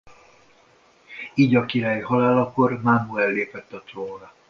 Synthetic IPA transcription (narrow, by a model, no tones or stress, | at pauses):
iːɟɒkiɾaːjihɒlaːlɒko̞rmanuɛlːeːpɛt̪ːɒt̪roːnɒ